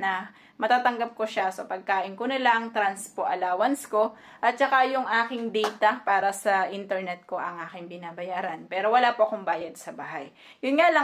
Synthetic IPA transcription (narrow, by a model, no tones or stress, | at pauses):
nɐ | mɐt̪aːt̪ɐŋɡap̚koʃasopɐɡ̚kaːʔɪnkonɪlaŋt̪ɾanspoʔɐlaːwɐnsko̞ | ʔɐt̪̚t͡ʃɐkajʊŋʔaːkɪŋd̪ɛjt̪ɐpaːɾɐsɐʔɪnt̪ɛɹnɛt̪̚ko̞ʔɐŋʔaːkɪŋbɪnaːbɐjaːɾɐnpɛːɾo̞wɐlapoʔɐkombaːjɐd̪̚sɐbaːɦɐjː | jʊnŋalɐ